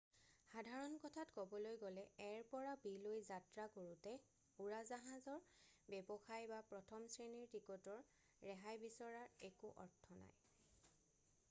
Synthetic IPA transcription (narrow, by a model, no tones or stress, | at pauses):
xadʱaɹɔnkɔtʰatkɔbɔlojɡɔlɛɛɹpɔɹabilojzatɹakoɹutɛ | uɹazaɦãzɔɹbɛbɔxajbapɹɔtʰɔmsɹeniɹtikutɔɹː | ɛɦajbisɔɹaɹekuʔɔ̰ɹtʰːɔna̰j